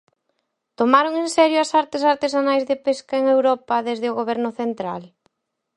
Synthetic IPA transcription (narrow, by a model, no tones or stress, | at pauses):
t̪omaɾoŋensɛɾjʊɐsaɾt̪ɪsaɾt̪esanajzðepeskaeŋewɾɔpɐðezðɪʊɣoβɛɾnʊθent̪ɾal